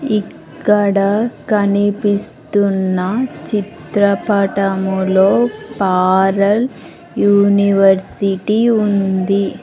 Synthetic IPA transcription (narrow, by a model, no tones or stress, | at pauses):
ikkːɐɽɐkɐnipist̪unːɐt͡ʃit̪ɾɐpɐʈɐmulo̞ːpaːɾɐl | juːniʋɐɾsiʈiund̪i